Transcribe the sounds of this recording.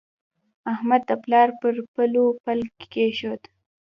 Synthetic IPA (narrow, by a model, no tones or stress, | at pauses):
ahmad̪ːəplɑɾpəɾpəlopalkkeʃod̪